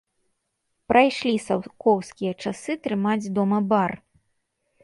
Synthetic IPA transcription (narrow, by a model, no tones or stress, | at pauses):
pɾʔajʂlʲisawkɔwskʲijɐt͡ʂasɨt̪ɾɨmad͡zʲd̪ɔmɐbar